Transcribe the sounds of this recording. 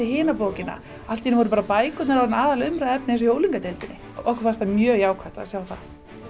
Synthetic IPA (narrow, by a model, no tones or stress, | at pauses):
ɪɦeːnapoːwcɪnːa̰ | al̥t̪ːinɪvɔɾʏp̬aɾapaːjkʏt̪naɾawnaːðalaʏmɾaðɛp̚nɛns̬ɔjoːwliŋkat̪elt̪ɪnːɪ | ʔɔhkfast̪amjœːɣjaːwkʰvaht̪a̰sjaːwθað